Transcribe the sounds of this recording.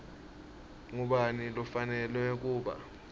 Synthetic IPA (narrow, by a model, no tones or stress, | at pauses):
ŋuɓanilɔfanɛlwɛk̬uːɓa̰